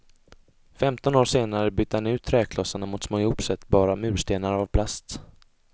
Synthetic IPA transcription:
fɛmt̪ɔnoːʂeːnaɾəbʏt̪ːhanʉ̟ːt̪ʰːɾɛːkʰlɔsaɳamʊt̪smoːjʊpsɛt̪ːbɑːɾamʉ̟ːʂt̪eːnaɾavpʰlast̪

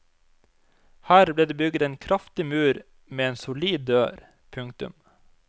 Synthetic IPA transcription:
hæːɾbleːd̪eːbʏɡəd̪eːnkʰɾɑft̪ɪmʉːɾ | meːeːnsʊliːd̪d̪øːɾ | pʰʉŋk̚t̪ʉ̰m

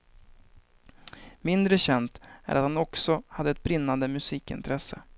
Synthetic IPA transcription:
mɪnd̪ɾəɕɛnt̪æ̰ɾʔat̪hanɔksɔhad̪ːəɛt̪̚bɾɪnːand̪əmɵsiːkɪ̰nt̪ʰɾɛsːə

